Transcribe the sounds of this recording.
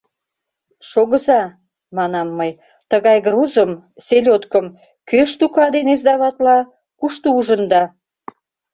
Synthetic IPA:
ʃoɣə̆zɑ | mɑnɑmːəj | t̪əɣɑjɡruzəm | selʲot̪kəm | køʃt̪ukɑd̪enezd̪ɑβɑt̪lɑ | kuʃt̪ouʒənd̪ɑ

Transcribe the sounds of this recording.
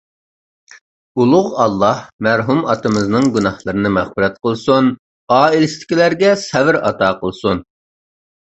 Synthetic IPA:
ulˠʊʁɑlˠːɑhmæɾɦumɑt̪ɨmɨznɨŋɡʲunɑhlˠəɾɨnɨmæχfɪɾɛt̪qəlˠsun | ɑːilɪst̪ʰɪ̥kʲilæɾɡʲɛsɛvɪɾɑ̰t̪ɑːqəlˠsun

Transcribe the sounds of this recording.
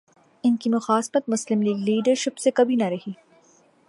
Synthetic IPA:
ɪnkimʊxaːsfət̪̚mʊslɪmliːɡliːɖəɾʃɪpsekɐbʱinɐɾɐɦiː

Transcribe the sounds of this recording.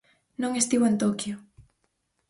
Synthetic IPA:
nõŋest̪iβoent̪okjo

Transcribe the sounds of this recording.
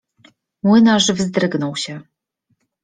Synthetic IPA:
mwɘnaʐvzd̪ɾɘɡnɔwɕɛ

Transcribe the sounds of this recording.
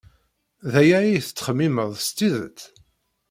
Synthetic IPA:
ðæjæiθə̥t͡sːə̥χəmːiməðˤst̪ːiðə̰t͡s̪

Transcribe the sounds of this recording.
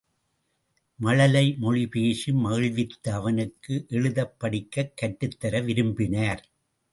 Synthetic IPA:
mɐɻɐlɐɪmɔɻipeːsɯmɐɣɐɻʋɪt̪ːɐːʋɐnɯkːɯʔɛɻɯðɐpːɐɽɪkːɐkːɐʈːɯt̪ːɐɾɐʋɪɾɯmbɪnaːɾ

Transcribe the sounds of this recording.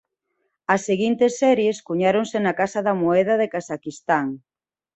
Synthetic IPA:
ɐsːeɣint̪esːɛɾjeskuɲaɾoŋsenɐkasɐðɐmoɛð̞ɐðekasakist̪aŋ

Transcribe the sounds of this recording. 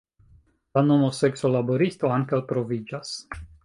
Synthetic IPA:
lano̞mo̞sekso̞laboɾist̪o̞aŋkawtɾo̞vid͡ʒas

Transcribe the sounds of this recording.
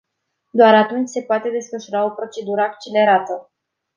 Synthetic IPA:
d̪oaɾat̪unt͡ʃʲse̞poat̪e̞d̪e̞sfəʃuɾao̞pɾo̞t͡ʃe̞d̪uɾəak̚t͡ʃile̞ɾat̪ə

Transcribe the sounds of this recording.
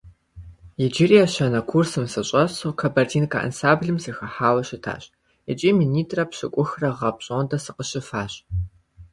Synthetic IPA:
jɪd͡ʒɪrijaɕɐnɐkʷʰursɨmsɐɕʼɐsoːkʰɐbɐrtʰiːnkʰʼa̰ːʔɐ̰nsaːmbɮɨmsixɐħaːwɐɕɪtʰa̰ːɕ | ɪt͡ʃʼiːminiːtʰʼrɐpɕɪkʷʼʊxrɐʁɐpɕʼodɐsɨqəɕɪfaːɕʼ

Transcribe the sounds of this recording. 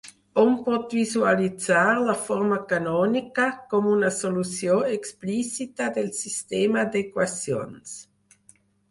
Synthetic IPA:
ompɔt̪vizualit͡saɾlafɔɾmakanɔːnikakomunasolusjoeksplisit̪ad̪elsist̪eːmad̪ekwasjo̰ns

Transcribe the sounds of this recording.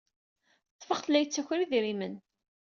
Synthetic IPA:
θətːfəχθəlːæjt͡sːæçɾiðiɾimən

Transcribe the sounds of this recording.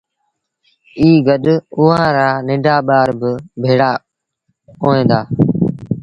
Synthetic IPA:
iːɡəɗʊɦãːɾaːnɪ̃ɖʱaːɓaːɾbɪbʱeːɽaː | oːẽːd̪aː

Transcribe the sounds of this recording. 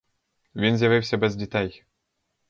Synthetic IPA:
vʲinzʲjavʲɘwsʲɐbɛzdʲit̪ɛj

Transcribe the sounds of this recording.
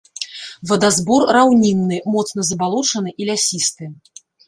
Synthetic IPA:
vɐd̪azbɔrːawnʲinːɨmɔt̪sn̪ɐzɐbalˠɔt͡ʂɐnɨʔilʲasʲist̪ɨ

